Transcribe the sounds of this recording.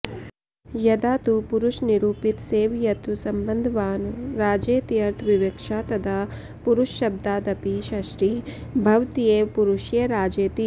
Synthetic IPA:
jɐd̪aːt̪upuɾuʃniɾuːpit̪seːʋjɐt̪usɐmbɐnd̪ʱɐʋaːnɾaːd͡ʒeːt̪iɐɾt̪ʰʋiʋekʂaːt̪ɐd̪a | puɾuʃʃɐb̚d̪aːd̪ɐpiʃɐʃʈibʱɐʋt̪ijeːpuɾuʃjeɾaːd͡ʒeːt̪i

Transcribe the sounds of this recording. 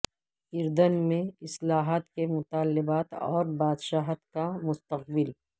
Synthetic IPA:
ɪɾd̪ənmẽɪslaːɦaːt̪kemʊt̪aːlːɪbaːt̪ɔ̰ːɾbaːd̪ʃaːɦt̪kamʊst̪əq̚bɪl

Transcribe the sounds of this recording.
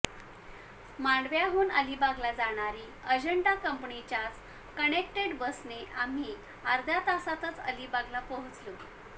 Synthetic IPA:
maɳɖʋjaɦuːnəlibaɡlad͡zaɽ̃aɾiːəd͡ʑəɳɖakəmpɳit͡ɕjat͡s | kənekʈeɽbəsneʔam̤iː | aɾd̪ʱjat̪asat̪ət͡sə̰libaɡlapəɦut͡slo

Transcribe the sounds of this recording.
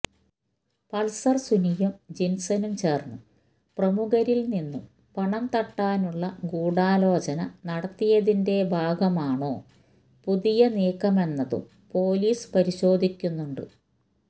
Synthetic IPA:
pɐlsɐrsunijɐmd͡ʑinsɐnumt͡ɕe̞ːrnːu | prɐmuɣɐɾilninːum | pɐɳɐmt̪ɐʈːaːnuɭːɐɡuːɽaːlo̞ːt͡ɕɐnɐnɐɽɐt̪ːijɐðinde̞bʱaːɡɐmaːɳo̞ː | puðijɐneːkːɐme̞nːɐðṵm | po̞ːliːspɐɾiɕo̞ːd̪ʱikʲːunːuɳɖɨ

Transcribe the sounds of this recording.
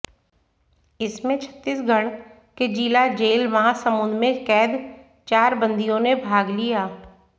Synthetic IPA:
ɪsmẽt͡ʃʰə̥t̪ːiːsɡʱɐɽ | ked͡ʒiːlad͡ʒeːlʋɐɦãsɐmʊ̃nd̪mẽkɛːd̪ | t͡ʃaːɾbə̃nd̪ijõnebʱaːɡlijaː

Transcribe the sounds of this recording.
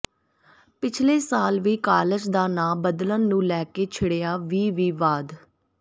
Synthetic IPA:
pɪt͡ʃʰleːsaːlʋiːkaːləd͡ʒd̪aːnãːbəd̪lənːũːlɛːkeːt͡ʃʰɪɽeːaːʋiːʋiːʋaːd̪

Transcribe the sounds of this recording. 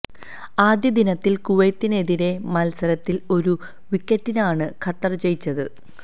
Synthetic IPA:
aːd̪jɐd̪inɐt̪ːilkuʋɐjt̪ːine̞ðiɾe̞mɐlsɐɾɐt̪ːilo̞ɾu | ʋikʲːɐtːinaːɳɨkʰɐt̪ːɐrt͡ɕe̞jit͡ɕːɐðɨ

